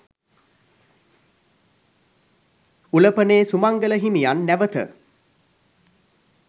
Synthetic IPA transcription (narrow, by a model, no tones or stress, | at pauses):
uləpəneːsumaŋɡələɦimijanːæʋət̪ə̰